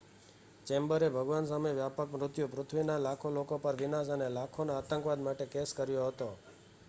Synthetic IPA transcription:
t͡ʃɛmbəɾebʱəɡʋansameʋjapəkmɾʊt̪jupɾʊt̪ʰʋinalakʰolokopəɾʋɪnasənelakʰonaat̪ə̃ŋkʋad̪maʈekeskəɾjoɦət̪o

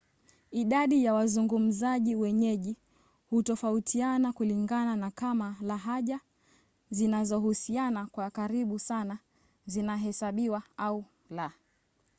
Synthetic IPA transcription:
iɗaɗijawazuŋɡum̩zaʄiwɛɲɛʄi | hutɔfautʰianakuliŋɡananakamalaɦaʄa | zinazɔhusianakwakaɾiɓusana | zinaɦɛsaɓiwaau | la

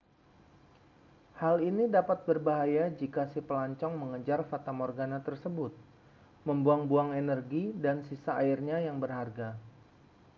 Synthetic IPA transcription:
halinidapat̪̚bərbaɦajad͡ʒikasipəlaɲt͡ʃɔŋməŋəd͡ʒarfat̪amɔrɡanat̪ərsəbʊt̪̚ | məmbuaŋbuaŋenərɡidansisaːɪrɲajaŋbərharɡa

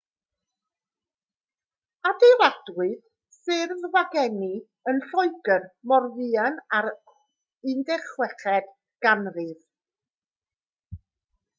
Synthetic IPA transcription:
adejɾadwɨð | sɪrvvaɡɛni | ənɬɔɨɡərmɔrvɨanaɾ | ɨndɛχwɛχɛd̥ | ɡ̥anrɨð

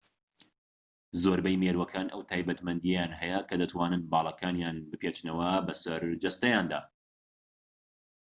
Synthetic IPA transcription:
zoːɾbɛjmeːɾwɐkʰaːnɐ̰wt̪ʰaːjbɐt̪mɐnd̪ijɛjaːnɦɛjɐkʰɐd̪ɐt̪ʰwaːnɨnbɑːlˠɑkʰaːnjaːnbɨpʰeːt͡ʃnɐwɐbɐsɐɾd͡ʒɐst̪ɐjaːnd̪a̰ː

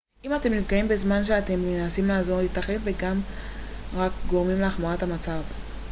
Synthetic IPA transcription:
ʔimat̪e̞mnivkaimbe̞zmanʃ̬eat̪e̞menasimlaːzo̞ʁlitaχenve̞ɡam | ʁakɡo̞ʁmimleaχmaʁatamat͡sav

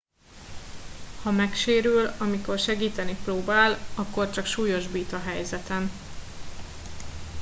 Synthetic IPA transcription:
hɒmɛkʃeːɾylɒmiko̞rʃɛɡiːt̪ɛniproːbaːlɒkːo̞rt͡ʃɒkʃuːjo̞ʒbiːt̪ɒɦɛjzɛt̪ɛn

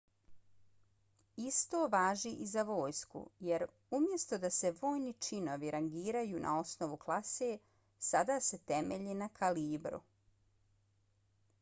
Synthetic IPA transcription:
ist̪o̞ːʋaːʒiʔizaʋo̞ːjskṵjeɾ | umje̞st̪o̞d̪aseʋo̞ːjnit͡ʃino̞ʋiɾaŋɡiːɾajuːnʔa̰o̞sno̞ʋuklˠase | sad̪ase̞t̪emeʎinakʰaliːbɾṵ

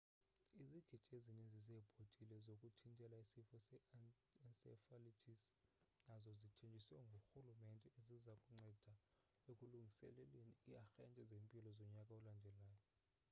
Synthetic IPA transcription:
iziɡ̥ʱid̥ʱezinizizɛb̥ʱotʼilɛzokʼutʰintʼɛlaisifɔsɛ | nsɛ̰falitʰisnazɔzitʰend͡ʒʱʼisɛŋɡʱoxulumɛntʼɛezizakʼuŋ͡ǀɛd̥ʱa | okʼuluŋɡʱisɛ̰lɛleniiaxɛntʼɛzempʼilɔzɔɲakʼaɔlandʱɛlaːjɔ

